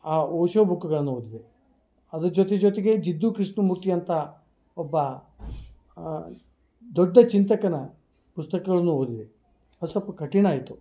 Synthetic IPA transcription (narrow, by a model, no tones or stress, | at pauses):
aːoːʃɐbʱukːɐɡɐɭɐnːuoːd̪id̪e | ɐd̪ud͡ʒoːt̪ed͡ʒoːt̪eɡe̞d͡ʒid̪ːukɾiʂɳɐmuːɾt̪ijɐnt̪ɐ | ɔbːɐ | d̪oɖːɐt͡ʃint̪ɐkːɐnɐ | pust̪ɐkɐɡɐɭɐnːuoːd̪id̪e | ɐd̪usɐpːɐkɐʈiɳaːjit̪u